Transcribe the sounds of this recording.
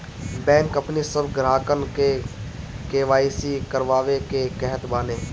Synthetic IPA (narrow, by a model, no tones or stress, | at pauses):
bɛ̃ːŋkəpnisəbɡɾaːkənke | keːʋaːisikəɾʋaːʋekekɛɦət̪baːneː